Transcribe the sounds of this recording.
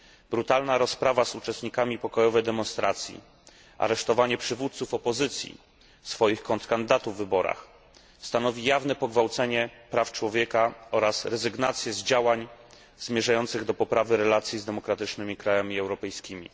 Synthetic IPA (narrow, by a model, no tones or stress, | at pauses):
bɾut̪alnaɾɔspɾavazut͡ʂɛst̪ɲikamʲipɔkɔjɔvɛjd̪ɛmɔnst̪ɾat̪sʲjḭ | ʔa̰ɾɛʂt̪ɔvaɲɛpʂɘvut̪t̪sufɔpɔzɘt̪sʲjḭ | fsfɔjixkɔnt̪kand̪ɘd̪at̪uvːɘbɔɾa̰x | st̪anɔvʲijavnɛpɔɡvawt̪sɛɲɛpɾaft͡ʂwɔvʲjɛkaɔɾasɾɛzɘɡnat̪sʲjɛzd͡ʑawaɲ | zmʲjɛʐajɔnt̪sɘɣd̪ɔpɔpɾavɘɾɛlat̪sʲjizd̪ɛmɔkɾat̪ɘt͡ʂnɘmʲikɾajamʲiɛwɾɔpɛjskʲimʲḭ